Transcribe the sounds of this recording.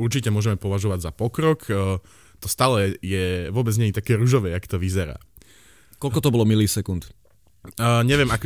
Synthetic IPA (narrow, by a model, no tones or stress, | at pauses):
uɾt͡ʃicɛmʊɔʒɛmɛpɔʋaʒɔʋaɟzapɔkɾɔkː | t̪ɔst̪aːlɛjɛʋʊɔbɛd͡zɲɛɲit̪akɛːɾuʒɔʋɛakɔ̥t̪ɔʋizɛɾa̰ː | kɔlkɔt̪ɔbɔlɔmiliːsɛkunt̪ː | ɲɛʋɛmak